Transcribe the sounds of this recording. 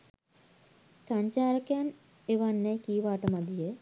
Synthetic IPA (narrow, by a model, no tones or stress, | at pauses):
saɲt͡ʃaːɾəkejan | eʋanːɛjkijʋaːʈəmad̪ijə